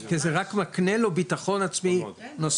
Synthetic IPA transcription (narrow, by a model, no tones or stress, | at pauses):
kezeʁakmaknelo̞bit̪aχo̞nat͡sminos